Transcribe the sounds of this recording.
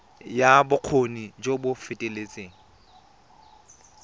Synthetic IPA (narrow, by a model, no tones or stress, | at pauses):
jabʊq͡χʰonid͡ʒobʊfɪtʼelet͡sʼeːŋ̩